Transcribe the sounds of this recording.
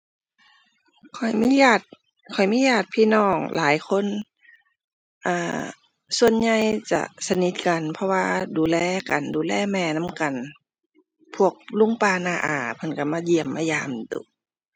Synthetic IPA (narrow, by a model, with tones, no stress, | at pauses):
kʰɔ˨˩jmiː˧˥˨jaː˧˩t̪̚ | kʰɔ˨˩jmiː˧˥˨jaː˧˩t̪̚pʰiː˧˨nɔː˧˩ŋlʔaː˨˦jkʰo˧˥˨n | ʔaː˧˩ | su˧ənɲa˧jt͡ɕa̰˧˩sa˧ni˧˦t̪̚ka˨npʰɔ˧waː˧duː˨˩lɛː˧˩ka˨nduː˨˦lɛː˧˩mɛː˧˩na˧˥˨mka˨n | pʰu˧ək̚lu˧˥˨ŋpaː˧naː˧˩ʔaː˨˩pʰa˧˩nka˧˩maː˧˥˨ji˧˩əmːaː˧jaː˧˩md̪ṵː˨˧˦